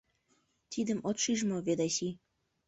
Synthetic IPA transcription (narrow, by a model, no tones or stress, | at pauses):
t̪id̪əmot̪ʃiʒmoβed̪ɑsi